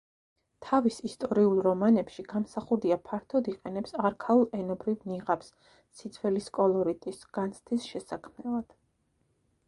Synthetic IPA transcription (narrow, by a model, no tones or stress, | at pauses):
t̪ʰavisist̪ʼɔɾiulˠɾɔmanɛpʃiɡ̥amsaχuɾd̪iapʰaɾt̪ʰɔd̪iqʼɛnɛpsaɾkʰalˠɛnɔbɾivniʁapsː | id̪sʰvɛliskʼɔlˠɔɾit̪ʼisɡ̥ant̪sʰt̪ʰisʃɛsakʰmnɛlˠad̪̥